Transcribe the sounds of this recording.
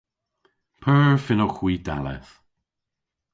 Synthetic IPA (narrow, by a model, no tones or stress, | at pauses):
pʰɜːɹfɪnɔxwiːd̪a̰lɛ̰θ